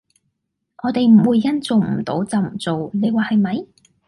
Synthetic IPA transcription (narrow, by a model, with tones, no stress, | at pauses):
ʔɔː˨˧t̪e˨jm̩˨˩wuː˨˧jːɐ˥nt͡so˨wm̩˨˩t̪o̰˨˥wt͡sɐ˨wm̩˨˩t͡so˨wne˨˧jwaː˨˩hɐ˨jmɐ˨˧j